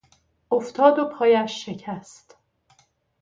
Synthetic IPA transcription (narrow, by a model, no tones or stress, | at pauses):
ʔoft̪ʰɒːd̪opʰɒːjæʃːe̞cʰæst̪